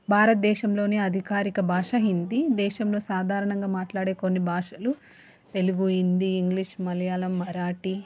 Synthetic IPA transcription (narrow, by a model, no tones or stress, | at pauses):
bʱaːɾɐt̪̚d̪ɛːʃɐmlo̞ːneːɐd̪ʱikaːɾikɐbʱaːʂɐɦind̪id̪ɛːʃɐmlo̞ːsaːd̪ʱaːɾɐɳɐŋɡaːmaːʈlaːɽe̞ːko̞nːibʱaːʂɐlu | t̪e̞luɡuind̪iːŋɡliʂmɐljaːlɐmːɐɾaːʈi